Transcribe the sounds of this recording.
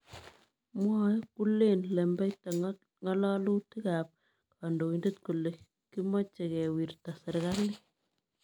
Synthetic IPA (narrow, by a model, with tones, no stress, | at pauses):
mwɔ˦ku˦le˦˨nlɛ˨mbɛ˦ta | ŋɔ˦la˦lu˦ti˦ka˨p̚ | kʰa˨ndo˨i˨nde˦t̪̚ku˨le˨ | ki˦mɔ˦t͡ʃe˨kɛ˨wi˨ɾta˨sɪ˨ɾɣa˦lɪ˦